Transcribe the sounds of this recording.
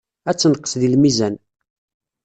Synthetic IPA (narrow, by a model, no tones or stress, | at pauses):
æt͡sːənəqːə̥sðilmizæn